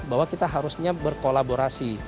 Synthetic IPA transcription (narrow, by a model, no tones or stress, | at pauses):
bawakit̪aɦaɾusɲabərkolaboɾasi